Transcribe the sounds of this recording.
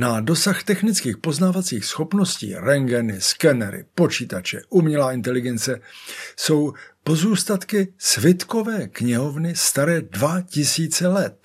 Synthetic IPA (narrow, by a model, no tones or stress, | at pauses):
nado̞saxt̪ɛxnɪt͡skiːxpo̞znaːvat͡siːxsxo̞pno̞scḭːɾɛŋɡɛnɪskɛnɛɾɪ̰po̞t͡ʃiːt̪at͡ʃɛ̰ʔumɲɛlaːɪnt̪ɛlɪɡɛnt͡sɛso̞wpo̞zuːst̪at̪kɪsvɪt̪ko̞vɛːkɲɪɦovnɪst̪aɾɛːdvacɪsiːt͡sɛlɛt̪̚